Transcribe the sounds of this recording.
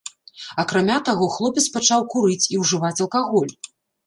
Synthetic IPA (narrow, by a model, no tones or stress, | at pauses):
ɐkɾamʲat̪aɣɔxlˠɔpʲɛt̪spat͡ʂawkuɾɨt͡sʲiwʐɨvat͡sʲɐlˠkaɣɔlʲ